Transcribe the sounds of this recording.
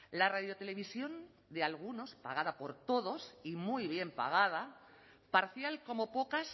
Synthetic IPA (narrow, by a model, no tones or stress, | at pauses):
laraðjo̞t̪e̞le̞βisjo̞n | d̪e̞alɣ̞uno̞spa̰ɣ̞aðapo̞ɾt̪o̞ð̞o̞simujβ̞je̞mpa̰ɣ̞að̞a | paɾθjalko̞mo̞po̞kas